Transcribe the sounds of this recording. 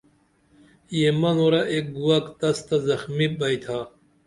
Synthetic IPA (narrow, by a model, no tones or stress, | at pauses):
jemɐnoɾɐʔek̚ɡuwɐkt̪ɐst̪azɐxmibɐjt̪ʰaː